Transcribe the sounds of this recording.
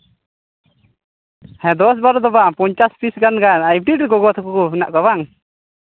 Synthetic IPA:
hɛ̃d̪ɔs̬baɾɔd̪ɔbapɔɲt͡ʃaspʰisɡanɡanajp̚ɖiʈɾɛɡɔɡɔt̪ʰakukɔpina̰ʔkaβaŋ

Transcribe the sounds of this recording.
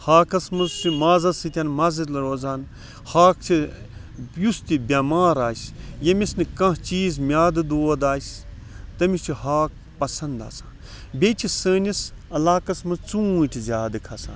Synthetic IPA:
haːkɐsmɨzt͡ʃʰimaːzɐsɨt̪ʲʰɐnmɐzid̪lɐɾoːzaːn | haːkt͡ʃʰi | just̪ʲibʲamaːɾaːsjɐmisnɨkɐ̃ɦt͡ʃiːzmʲjaːd̪ɨd̪oːd̪aːs | t̪ɐmist͡ʃʰihaːk̚ | pɐsɐnd̪a̰ːsãːn | bʲet͡ʃʰisəːnʲis | ɐlaːkɐsmɨzt͡sũːʈʲʰizʲaːd̪ɨkʰɐsa̰ːn

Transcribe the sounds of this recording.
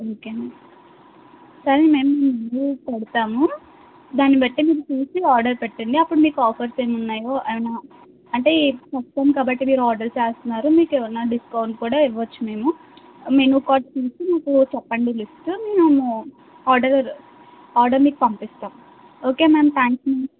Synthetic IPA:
oːkeː | sɐɾime̞ːmumenupeɽut̪aːmu | d̪aːnːipeʈːimiːɾut̪iːsiaːɾɖɐɾpɛʈːɐɳɖiɐpːuɽumiːkuɔːpʰɐɾseːmunːaːjo̞ːʔɐʋinaː | ɐɳʈe̞ːpɐppoːmkaːbɐʈːimiːɾuaːɾɖɐɾt͡ʃeːst̪unːaːɾumiːkeːʋɐnːaːɖiskɐwɳʈkuːɽaːiʋːɐt͡ʃːume̞ːmu | menukaːʈt̪iːsinaːkut͡ʃɛpːɐɳɖilisʈumeːnumu | aːɾɖɐɾ | aːɾɖɐɾmiːkupɐmpist̪aːmu | o̞ːke̞ːmeːmt̪ʰaːŋksmi

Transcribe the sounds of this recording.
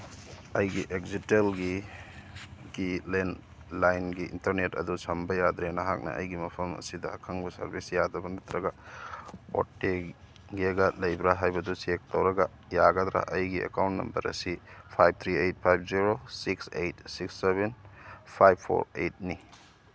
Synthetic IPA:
ɐjɡiʔek̚zitelɡi | ɡ̥ilen | lajnɡiḭntɐɾnetɐ̰dusɐmbɐjad̪ɾenɐɦak̚nɐ̰ʔɐ̰jɡimɐpʰɐmɐ̰sidɐːkʰɐŋbɐsɐ̰ɾbʱisjadɐbɐnɐt̪ɾɐɡɐ | o̰tːe | ɡeɡɐlɐjbɾaɦajbɐdusek̚tɐwɾɐɡɐ | jaɡɐd̪ɾa̰ʔɐjɡiḛkawntnːɐ̰mbɐ̰ɾɐ̰sipʰajb̚t̪ʰɾiejt̚pʰajbʰziɾosiksejtsiksːebenpʰajbʰo̰ɾḛjt̚ni

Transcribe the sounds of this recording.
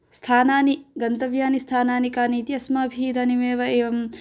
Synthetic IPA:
st̪ʰaːnaːniɡɐnt̪ɐʋjaːnist̪ʰaːnaːnikaːniːt̪iɐsmaːɐbʱiːd̪animeːʋɐeːʋɐm

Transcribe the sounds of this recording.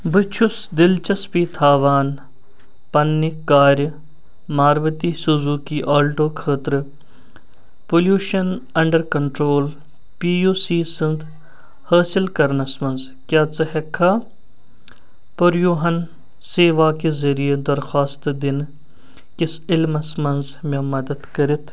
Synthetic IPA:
bɨt͡ʃʰʊs | d̪ɪlt͡ʃɐspiːt̪ʰaːʋaːn | pɐnːikːaːɾʲ | maːɾʋət̪iːsuzuːkiʔaːlʈoːkʰəːt̪ɾ | poljuːʃɐnɐɳɖəɾkɐɳʈɾoːl | piːjuːsiːsɪnd̪ | hɐːsɪlkɐɾnɐsmɐnz | kʲjaːt͡sɐɦekʰːaː | pɐɾjuːɦɐn | seːʋaːkezɐɾijed̪ɐɾxaːst̪d̪ɪn | kɪsɪlmɐsmɐnz | mʲẽmɐd̪ɐd̪kɐɾit̪ʰ

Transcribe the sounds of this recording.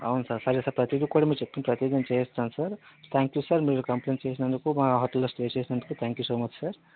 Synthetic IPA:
ɐ̰wunsɐɾsɐɾisɐɾpɾɐt̪id̪ikoɽimit͡ʃep̚t̪umpɾɐt̪jod͡ʒɐnt͡ʃejest͡sansɐɾt̪ʰaːŋkjusɐɾmeɾukɐmplenʈt͡ʃeːsnɐnd̪ukumɐɦɔt̪ːulɐsʈet͡ʃeːsinɐnd̪ukut̪ʰaːŋkjusoːmɐt͡ʃʰsɐɾ

